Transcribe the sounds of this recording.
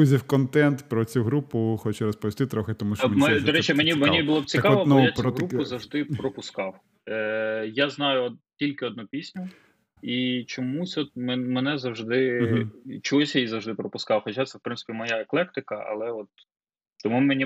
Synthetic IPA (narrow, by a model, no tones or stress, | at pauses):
uzʲiwkɔnt̪ɛnt̪pɾɔt͡sʲuɦɾupʊxɔt͡ʃɪɾɔspɔʋʲist̪ɪt̪ɾɔxɪt̪ɔmuʃmmɛd̪ɔɾɛt͡ʃɛmenʲimeibʊlˠɔpt͡sʲikɑʋɔnnjat͡sɦɾupʊzɐwʒd̪ɪpɾɔpʊskɑw | jaznɑjʊtʲilʲkɪɔd̪̚nupʲisʲnʲʊ | it͡ʃɔmusʲɔt̪̚mmɛnɛzɐwʒd̪ɪ | t͡ʃɔɦusʲjajizɐwʒd̪ɪpɾɔpʊskɑwxɔt͡ʃʲat̪sɛfpɾɪnsɪ̥pʲimɔjaeklˠɛk̚t̪ɪkɐɐ̰lˠɛɔt̪̚ | t̪ɔmumenʲi